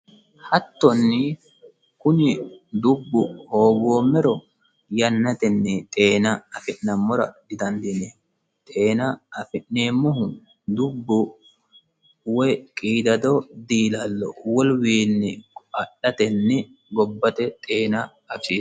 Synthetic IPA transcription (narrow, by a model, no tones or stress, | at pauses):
hɐt̪ːɔnːɪ | kʊnɪd̪ʊbːʊhoːɡoːmɛɾɔ | jɐnːɐt̪ɛnːɛt̪ʼe̞ːnɐɐfɪʔnɐmːɔɾɐ̰d̪ɪd̪ɐnd̪ɪnɛ | t̪ʼe̞ːnɐɐfɪʔneːmːʊɦʊ | d̪ʊbːʊ | wɔjkʼiːd̪ɐd̪ɔd̪iːlɐlːɔ̰wɔlwiːnːɛkʼɐɗɐt̪ɛnːɛ | ɡɔbːɐt̪ɛt̪ʼe̞ːnɐː | fʃiː